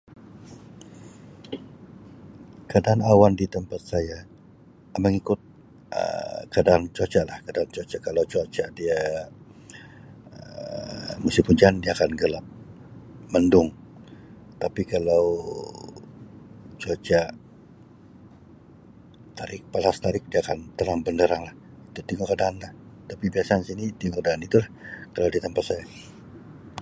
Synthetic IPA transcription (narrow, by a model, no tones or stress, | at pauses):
kadanawandit̪əmpat̪̚saja | aməŋikʊt̪̚ | ə̰kadant͡ʃot͡ʃaʔlahkadaant͡ʃot͡ʃakalawt͡ʃat͡ʃadia | ə | musipuɲd͡ʒandiaːkanɡəlap̚ | məndʊŋ | t̪apikalaw | t͡ʃot͡ʃa | t̪aɾɪk̚palast̪aɾɪk̚diakant̪əɾaŋbəndəɾaŋlah | it̪ut̪iŋɔkədaːnlaht̪apibiasansinit̪iŋɔkədaːnit̪ulahkalawdiat̪əmpat̪̚saja